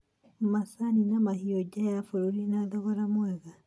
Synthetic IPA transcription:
masaninamahiɔd͡ʒajafoɾoɾinaðɔɣɔɾamwɛɣa

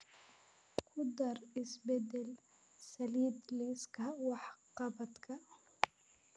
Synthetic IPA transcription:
kʰʊd̪ɐrɪsbɛd̪ɛl | sɐliːd̪liskʰɐwɑħqɑbɐd̪kʰɐ

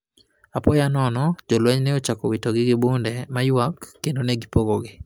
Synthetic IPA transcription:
apɔjanɔnɔd͡ʒɔlwɛɲnɛot͡ʃakɔwitoɡɪɡɪbundɛmajwakːendoneɡipoɡoɡɪ

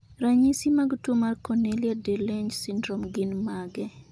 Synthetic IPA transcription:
ɾaɲisimaɡtwomarkɔneliadeleɲd͡ʒsindɾɔmɡɪnmaɡɛ

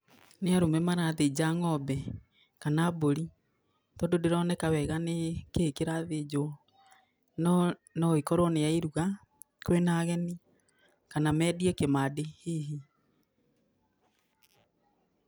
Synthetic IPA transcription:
neaɾomɛmaɾaːðed͡ʑaŋɔbɛ | kanaːboɾi | tɔdodeɾɔnɛkawɛɣanekeːkeɾaðed͡ʑoɔ | nɔikɔɾwɔnejaiɾuɣa | kwenaːɣɛni | kanamɛːdiɛkemadeheɦi

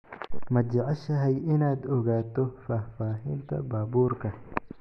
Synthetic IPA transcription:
mɐd͡ʒɐʕɛʃɐɦɛjɪnaːd̪ɔɣaːt̪ʰɔfaːfaːɦɪnt̪ʰɐ̰baːbuːrkʰɐ

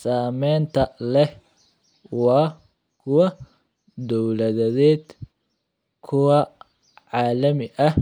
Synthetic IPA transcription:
saːmɛːnt̪ʰɐlɛh | wɑː | kʰʊwɐ | d̪ɔwlɐðɐðɛːd̪ | kʰʊwɑ | ʕɑːlɐmɪʔɐh

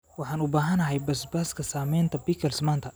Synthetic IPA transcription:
wɑħɑːnʊbaːɦɐnɐɦɛjbɐsbaskʰɐsaːmɛjnt̪ʰɐbiːkʰɐlsmaːnt̪ʰɐ

